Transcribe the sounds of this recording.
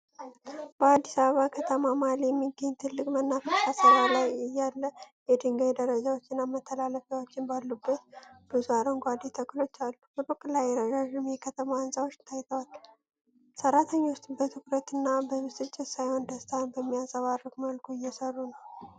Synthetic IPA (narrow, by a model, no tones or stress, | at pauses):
b̥əad̪ːisaβəβakʰət̪ʰəmamaljɛmːiɡːəɲːt̪ʰɨlːɨkʼmənːafəʃasəɾalajɨjːalːəjɛd̪ɨŋɡad̪əɾəd͡ʒawot͡ʃːɪnːamət̪ʰːəlaləfjawot͡ʃːɪnbalːubːət̪̚b̥uzaɾənɡʷad̪et̪ʰəkʼlo̞t͡ʃːalːubəɾokʼːlajːɛɾəɡaʒɨmjɛkʰət̪ʰəmaansawo̞t͡ʃːt̪ʰajt̪ʰəwal | səɾːat̪ʰəɲːwʊst̪ʼbət̪ʰɨkɾət̪ɨnːabəmɨsʼɨt͡ʃʼːɪt̪sajho̞nd̪əst̪ʰanbəmːijasəβarːəkməlkʰuɪjːɛsərːunəw